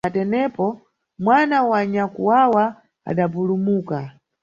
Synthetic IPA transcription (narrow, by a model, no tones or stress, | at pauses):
atɛnɛpɔ | mwanawaɲakuwawa | a̰ɗapulumuːka